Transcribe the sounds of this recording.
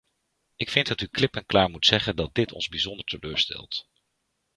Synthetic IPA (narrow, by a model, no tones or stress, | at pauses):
ʔɪkfɪndɑtyklɪpənklaːɹmutsɛχəndɑt̚dɪtʰɔ̰nzbizɔndəɹtəløːɹstɛ̰lˠt